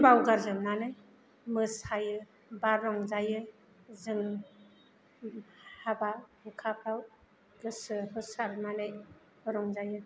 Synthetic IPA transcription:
bawɡaɾzɯmnanɯj | mɯshajɯ | baɾɾɔŋzajɯ | zɯŋ | hababɯkʰapʰɾaw | ɡɯsɯhɯsaɾnanɯj | bɯɾɔŋzajɯ

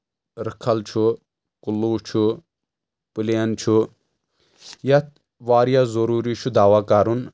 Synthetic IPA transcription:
ɾəkʰːɐlt͡ʃʰu | kulːuːt͡ʃʰu | pileɐnt͡ʃʰu | jat̪ | ʋaːɾjazɐɾuːɾit͡ʃʰud̪aːʋaːkaɾun

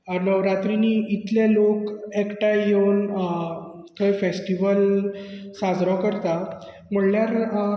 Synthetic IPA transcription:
nəʋɾat̪ɾiniːit̪ljalokekʈajewn | kʰəjfesʈiʋəl | sad͡zɾakəɾt̪a | m̤əɳljaɾ

